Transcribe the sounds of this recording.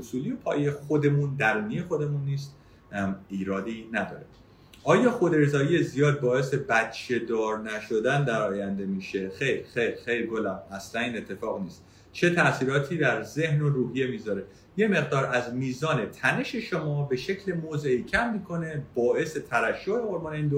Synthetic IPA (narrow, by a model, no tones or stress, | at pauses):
osuːliopʰɒ̰ːjejexod̪e̞mund̪æɾuːnejexo̞d̪e̞munːiːst̪ | iːɾɒːd̪iːnæd̪ɒ̰ːɾe | ʔɒːjɒːxod̪e̞ɾzɒːjije̞zijɒːd̪̚bɒːe̞se̞bæt̪t͡ʃʰe̞d̪ɒːɾnæʃod̪ænd̪æɾɒːjænd̪e̞miːʃe̞xejɾxejɾxejɾɡolæmæslæniːnet̪ʰːe̞fɒːɣniːst̪ | t͡ʃʰe̞t̪ʰæsiːɾɒːt̪ʰiːd̪æɾze̞hnoɾuːɦije̞miːzɒɾe̞ | je̞me̞ɣd̪ɒːɾæzmiːzɒːne̞t̪ʰæne̞ʃe̞ʃomɒːbe̞ʃe̞cʰle̞moːzeiːcʰæmːiːkʰo̞ne̞bɒːe̞se̞t̪ʰæɾæʃːoeoɾmɒːneiːnd̪o